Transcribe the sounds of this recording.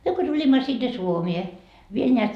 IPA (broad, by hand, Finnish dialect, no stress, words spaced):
myø ko tulʲimːɑ sinːe suomie ʋiel neæt